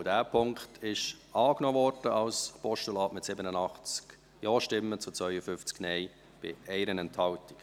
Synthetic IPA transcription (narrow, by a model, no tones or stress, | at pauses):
dæːpʰʊŋktʰɪʃɑːknɔːvɔɾd̥əʔɑlspɔʃtulɑːtmɪtsɪbənənɑχt͡sk | jɔːʃtɪmːət͡sut͡svœʏəfʏft͡sknɛɪ | b̥ɪ̰ɛɪɾənɛnthɑlti̥k